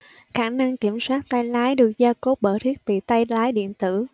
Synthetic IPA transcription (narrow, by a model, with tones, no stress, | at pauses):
xaː˧˩na˧ŋki˧˩əmswaː˦˥t̚t̪a˧jlaː˨˦jɗɨ˨˩ək̚zaː˧ko˦˥p̚ɓə̰ː˧˨˩t̪ʰi˦˥ək̚ɓḭ˧˨t̪a˧jlaː˨˦jɗḭ˧˨ənt̪ɨ̰˧˩